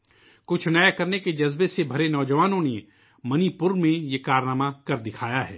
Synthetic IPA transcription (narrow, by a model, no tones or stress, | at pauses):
kʊt͡ʃʰnɛjkɐɾneked͡ʒɐzbesebʱɐɾenɔːd͡ʒəʋaːnõne | mɐnipʊɾmẽjekaːɾnaːmakɐɾd̪ɪkʰaːjaɦɛ̰ː